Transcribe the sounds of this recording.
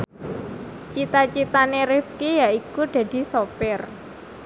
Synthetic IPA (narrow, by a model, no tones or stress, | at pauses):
t͡ʃit̪at͡ʃit̪aneɾɪfkijaʔikud̪̥ä̤d̪̥i̤sopɪr